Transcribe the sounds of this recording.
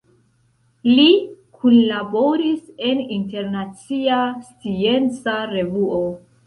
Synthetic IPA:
likʰunlabo̞ɾise̞ninte̞ɾnat͡siast͡sie̞nt͡saɾe̞vuo

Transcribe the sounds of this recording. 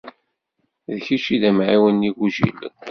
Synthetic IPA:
ðçiʃiðæmʕiwənːiɡuʒḭl

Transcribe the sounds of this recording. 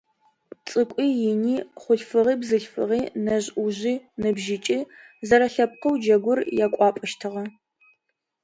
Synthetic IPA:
t͡sʼɨkʷʼiːjɪniːχʷʊɬfɨʁiːbzɨɬfɨ̰ʁiːnɐʑʼʔuʑiːnɨbʒɪt͡ʃʼi | zɐɾɐɬɐp̚qəwd͡ʒɐɡʷʊrjakʷʼɑːpʼɨʃtʰɨʁɐ

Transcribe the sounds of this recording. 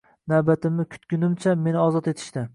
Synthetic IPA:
navbat̪ʰɪmɪkʲʰʊ̥t̪kʲʊnɪmt͡ʃʰame̞nɪɒzɒt̪e̞t̪ʰɪ̥ʃt̪ɪ

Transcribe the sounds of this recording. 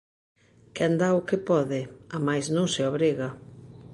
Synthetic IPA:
kend̪aʊkɪpɔðɪamajsnõŋseoβɾiɣa

